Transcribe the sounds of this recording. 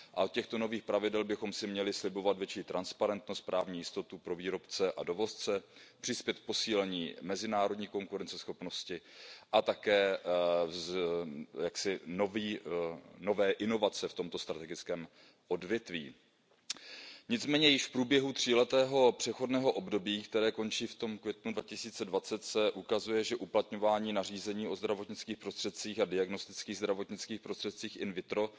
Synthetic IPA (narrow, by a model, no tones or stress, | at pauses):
ʔa̰ot̪̚cɛxt̪o̞no̞viːxpɾavɪdɛlbɪxo̞msɪmɲɛlɪslɪbo̞vat̪vjɛt͡ʃiːt̪ɾʔanspaɾɛnt̪no̞st̪̚pɾʔaːvɲiːjɪst̪o̞t̪upɾo̞viːɾo̞pt͡sɛʔado̞vo̞st͡sɛpr̥ɪspjɛt̪̚k̚po̞siːlɛɲḭːmɛzɪnaːɾo̞dɲiːko̞ŋkuɾɛnt͡sɛsxo̞pno̞scɪʔat̪akɛː | jaksɪnoviː | no̞vɛːʔɪno̞vat͡sɛft̪o̞mt̪o̞st̪ɾat̪ɛɡɪt͡skɛːm | ʔo̞dvjɛt̪vḭː | ɲɪt͡smɛːɲɛjɪʃfpɾuːbjɛɦut̪r̝̥iːlɛt̪ɛːɦo̞pr̝̥ɛxo̞dnɛːɦo̞ʔo̞bdo̞biːkt̪ɛɾɛːko̞nt͡ʃiːft̪o̞mkvjɛt̪nudvacɪsiːt͡sɛdvat͡sɛt̪sɛʔukazujɛʒɛʔuplat̪ɲo̞vaːɲiːnar̝iːzɛɲiːo̞zd̪ɾavot̪ɲɪt͡skiːxpɾost̪r̥ɛt̪̚t͡siːxadɪaɡno̞st̪ɪt͡skiːɣzd̪ɾavo̞t̪ɲɪt͡skiːxpɾost̪r̥ɛt̪̚t͡siːxʔɪnvɪt̪ɾo̞